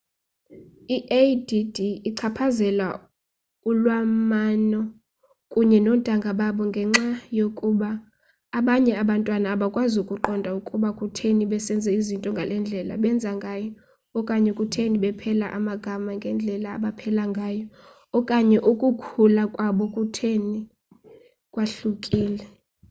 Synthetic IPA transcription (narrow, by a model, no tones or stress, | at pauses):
iʔedidiːǀʰapʰazɛla | ulwamanɔ | kʼuɲɛnɔntʼaŋɡʱaɓaɓɔŋɡʱɛŋ͡ǁajokʼuɓaː | ɓaɲɛaɓantʼwanaːɓakʼwazukʼuǃɔndʱaukʼuɓakʼutʰeniɓɛsɛnd͡zʱɛizintʼɔŋɡʱalɛnd͡ɮʱɛla̰ɓɛnd͡zʱaŋɡʱaːjɔː | kʼaɲɛkʼutʰeniɓɛpʰɛlaʔamaɡ̥ʱamaŋɡʱɛnd͡ɮʱɛla̰ːɓapʰɛlaŋɡʱaːjɔː | kʼaɲɛʔukʼukʰulakʼwaɓɔkʼutʰeni | kʼwaɬukʼiːlɛ